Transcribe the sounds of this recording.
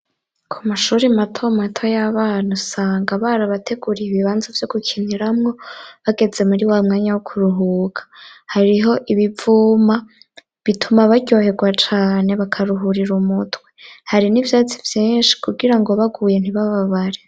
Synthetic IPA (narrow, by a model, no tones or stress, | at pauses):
kʰumaʃuːɾimatʰo̞matʰo̞jaβaːnusaːŋɡaβaɾaβatʰe̞ɡuɾijiβiβaːnzovjo̞ɡukʰiniɾamŋo̞βaɡe̞d͡ze̞muɾiwamŋaːɲawokʰuɾuɦuɡḁhaɾiɦo̞ʔiβivuːma | βitʰumaβaɟo̞he̞ɡwat͡ʃaːne̞βakʰaɾuɦuɾiɾumutwe̞haɾinivjaːt͡sivjiːnʃi̥kʰuɡiɾaŋɡo̞βaɡuːje̞n̥iβaβaβaɾe